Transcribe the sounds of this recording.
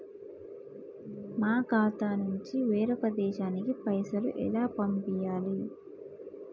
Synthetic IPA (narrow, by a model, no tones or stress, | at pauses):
maːɡaːt̪aːnuɲt͡ʃiʋeːɾɔkɐd̪ɛːʃaːnikipɐjsɐlṵʔɛ̰laːpɐmpijaːli